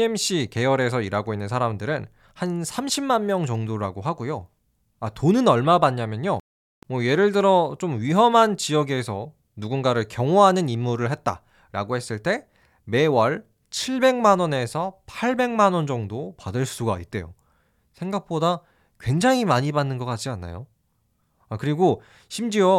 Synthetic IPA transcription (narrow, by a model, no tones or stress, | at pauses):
emɕ͈ike̞jʌɾe̞sʰʌiɾaɡoinːɯnsʰaɾamdɯɾɯn | hansʰamɕʰimːanmjʌŋt͡ɕʌŋdoɾaɡoɦaɡojo | atonɯnʌɭmabaɲːamjʌɲjo | mwʌje̞ɾɯɭdɯɾʌt͡ɕomɥiɦʌmɦant͡ɕijʌɡesʰʌ | nuɡunɡaɾɯɭkjʌŋoɦanɯnimːuɾɯɭɦe̞t̚t͈a̰ | ɾa̰ɡohe̞s͈ɯɭt͈e̞ | me̞wʌɭ | t͡ɕʰiɭbe̞ŋmanwʌne̞sʰʌpʰaɭbe̞ŋmanwʌnd͡ʑʌŋdopadɯɭs͈uɡait̚t͈e̞̰jo̰ | sʰe̞ŋɡak̚p͈oda | kwe̞ŋd͡ʑaŋimaɲibanːɯnɡʌk͈at̚t͡ɕ͈ianːa̰jo | akɯɾiɡo | ɕʰimd͡ʑio